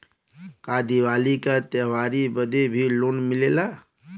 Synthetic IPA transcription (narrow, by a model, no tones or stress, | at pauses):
kaːd̪iʋaːlikat̪eʋaːɾibəd̪ebʱiloːnmɪlela